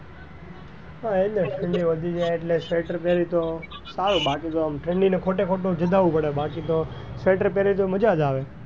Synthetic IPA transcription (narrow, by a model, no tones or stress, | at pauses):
ɦaeneʈʰəɳɖĩʋəd̪ʱid͡ʒajeʈlesʋeʈəɾpeɾit̪osaɾũbakit̪oəmʈʰɾəɳɖinekʰoʈekʰoʈod͡ʒəd̪ʱaʋũpəɽebakit̪o | sʋeʈəɾpeɾit̪̬oməd͡ʒad͡ʒ̪aʋe